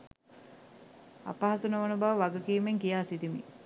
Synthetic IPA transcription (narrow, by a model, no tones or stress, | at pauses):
a̰paɦasunəʋənubaʋəʋaɡəkiːmeŋkijaːsid̪imḭ